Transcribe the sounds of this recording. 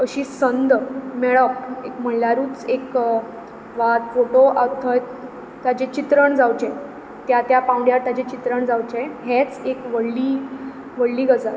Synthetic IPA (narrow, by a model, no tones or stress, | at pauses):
əɕiːsənd̪meɭəkekm̤əɳlaɾuːt͡sek | ʋat̪foʈoʔət̪ʰəj̪ | t̪jad͡ʑet͡ɕit̪ɾəɳd͡zawt͡ɕe | t̪jat̪japãwɳɖjaɾt̪jad͡ʑet͡ɕit̪ɾəɳd͡zawt͡ɕeɦɛ̃t͡sekʋəɽliː | ʋəɽliːɡəd͡za